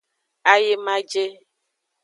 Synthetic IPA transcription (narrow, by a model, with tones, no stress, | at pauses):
a˨je˨mã˦d͡ʒe˦